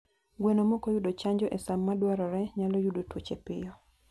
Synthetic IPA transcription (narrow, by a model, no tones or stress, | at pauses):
ɡwenomɔkɔjudot͡ʃaɲd͡ʒɔʔesamːadwaɾɔɾɛɲalɔjudotwot͡ʃepɪ̰jɔ